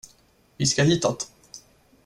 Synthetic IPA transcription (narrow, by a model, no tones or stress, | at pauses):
vɪskaɦiːt̪at̪